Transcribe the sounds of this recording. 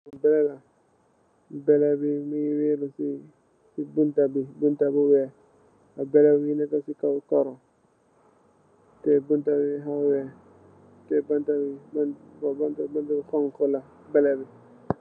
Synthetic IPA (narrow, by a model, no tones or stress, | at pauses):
abɛlɛla | bɛlɛbimiwelusi | sibuntabibuntabuwɛ | abɛlɛwinɛkasikakɔɾɔ | tɛbuntabiɦawɛ | tɛbantabibbbantabantabikɔŋkɔla | bɛlɛbi